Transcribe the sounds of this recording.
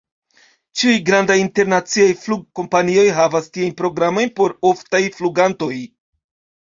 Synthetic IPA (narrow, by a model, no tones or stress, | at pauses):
t͡ʃiujɡɾandajinte̞ɾnat͡siajfluɡ̚ko̞mpanio̞jɦavastiajnpɾo̞ɡɾamo̞jnpo̞ɾo̞ftajfluɡanto̞j